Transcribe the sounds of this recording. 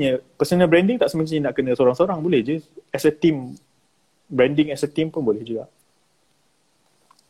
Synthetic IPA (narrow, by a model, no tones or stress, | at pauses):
ɲəpəsənəhbɾɛndɪŋt̪aʔsəməsiɲnaʔkənə̃səoɾaŋsəoɾaŋbolɛhd͡ʒɨɛsət̪im | bɾɛndɪŋɛsət̪impʊnbolɛhd͡ʒuɡa̰ʔ